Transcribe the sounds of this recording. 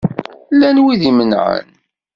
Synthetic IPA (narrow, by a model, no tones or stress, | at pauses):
lːænwiðimənʕə̰n